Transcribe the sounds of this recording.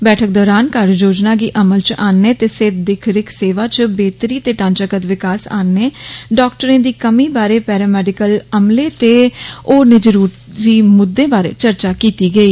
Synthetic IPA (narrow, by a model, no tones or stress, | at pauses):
bɛːʈʰək̚d̪ɔːɾaːnkaɾd͡ʒoːd͡ʒnaːɡiːʔəməlt͡ʃaːnːeːt̪eːsed̪ɪkʰɾɪkseːʋaːt͡ʃbeːt̪ɾiːt̪eːʈãːnt͡ʃəkət̪ʋɪkaːsa̰ːnːeːɖɔːkʈəɾẽːd̪iːkəmiːbaːɾeːpɛːɾɛːmɛːɖɪkələmleːt̪eːoːnɪd͡ʒɾuːʈ | ɾiːmʊd̪ːẽːbaːɾḛːt͡ʃəɾt͡ʃaːkiːt̪iːɡəiː